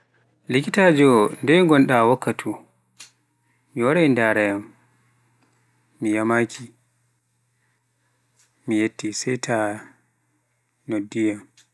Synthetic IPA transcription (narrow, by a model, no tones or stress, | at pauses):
likitaːd͡ʒɔndɛjŋɡɔnɗawakːatʰu | miwaɾajndaɾɛjam | mijamakʰi | mijetːisɛjtʰa | nodːijam